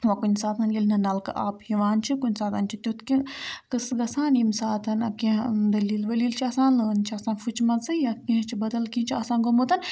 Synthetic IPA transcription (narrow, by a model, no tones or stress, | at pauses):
ʋɐkunʲsaːt̪ʰɐnlʲilnɐnɐlkɨ̰ʔaːphiʋaːnt͡ʃʰikunʲsaːt̪ʰɐnt͡ʃʰit̪ʲut̪kĩkɨsɡɐsaːnimsaːt̪ʰɐnɐkẽd̪ɐliːlʋɐliːlt͡ʃʰiɐsaːnləːnt͡ʃʰiɐsaːnfʰut͡ʃʰmɐzɨjakĩɦt͡ʃʰibɐd̪ɐlkĩt͡ʃʰiɐsãːnɡomoːt̪ɐn